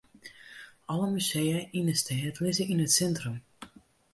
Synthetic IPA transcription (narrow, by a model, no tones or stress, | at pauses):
ʔɔləmysejəinəstʰɛːtlɪzəinətsɛntrum